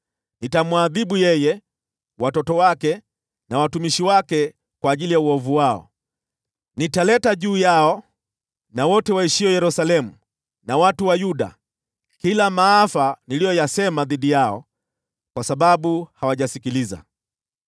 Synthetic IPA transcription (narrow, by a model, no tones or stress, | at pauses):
nitamwaðiɓujɛjɛ | watɔtɔwakɛ | nawatumiʃiwakɛ | kwaːʄilijauɔvuwaɔ̰ | nitalɛtaʄuːjaɔ | nawɔtɛwaiʃiɔjɛɾusalɛmu | nawatuwajuɗa̰ | kilamaafanilijɔjasɛmaðiɗijaɔ̰ | kwasaɓaɓuhawaʄasikiliza̰